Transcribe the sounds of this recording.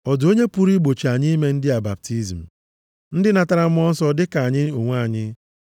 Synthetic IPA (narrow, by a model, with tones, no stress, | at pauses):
ɔ˨do˦ɲe˦pu˦ɾi˦ɡ͡bo˨t͡ʃi˨a˨ɲi˦me˦n̩˦dɪ˦a˨ba˨p̚ti˦zm̩˨ | n̩˦dɪ˦na˨ta˦ɾa˦m̩˦ɔ˦n̩˦sɔ˦dɪ˦ka˨ɲɪ˦o˨ŋʷ˦a˦˨ɲɪ˦